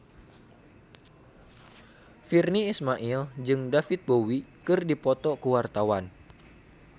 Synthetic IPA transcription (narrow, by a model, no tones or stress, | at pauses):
firniːsmaʔild͡ʒɨŋdafit̪̚bowikɨrdipɔt̪ɔkuwart̪awan